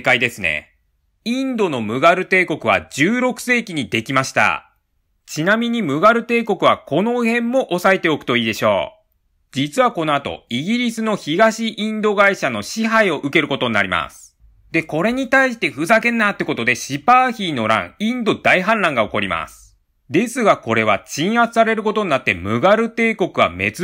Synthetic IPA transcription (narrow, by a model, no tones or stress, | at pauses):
kaid̪e̞sɨne̞̰ | ĩnd̪o̞no̞mɯ̟ɡaɾɯ̟t̪e̞ːko̞kɯ̟β̞a̰ʑɨːɾo̞kɯ̟̥se̞ːkʲiɲ̟id̪e̞kʲimaɕi̥t̪a̰ | t͡ɕinamʲiɲ̟imɯ̟ɡaɾɯ̟t̪e̞ːko̞kɯ̟β̞ako̞no̞hẽ̞mːo̞ʔosae̞t̪e̞o̞kɯ̟̥t̪o̞iːd̪e̞ɕo̞̰ː | d͡ʑit͡sɨβako̞no̞at̪o̞̰iɡʲiɾʲisɨno̞çiɡaɕiʔĩnd̪o̞ɡaiɕano̞ɕiɦaio̞ʔɯ̟ke̞ɾɯ̟ko̞t̪o̞ɲ̟ina̰ɾʲima̰sɨ̥ | d̪e̞ko̞ɾe̞ɲ̟it̪aiɕi̥t̪e̞ɸɯ̟zakẽ̞nːat̪ːeko̞t̪o̞d̪e̞ɕipaːçiːno̞ɾã̰ŋ̃ĩnd̪o̞d̪aiɦãnɾãŋɡao̞ko̞ɾʲima̰sɨ̥ | d̪e̞sɨɡako̞ɾe̞β̞at͡ɕĩɰ̃at͡sɨ̥saɾe̞ɾɯ̟ko̞t̪o̞ɲ̟nat̪ːe̞̰mɯ̟ɡaɾɯ̟t̪e̞ːko̞kɯ̟βa̰me̞̰t͡s